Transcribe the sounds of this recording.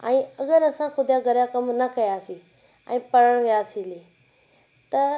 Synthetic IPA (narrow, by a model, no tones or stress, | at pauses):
ɛ̰̃ːɐɡəɾɐsãxʊd̪ʱjaɡɐɾjakɐmnɐkɐjaːsi | ɛ̰̃ːpɐɾəɽ̃ʋijaːsiliː | t̪ɐ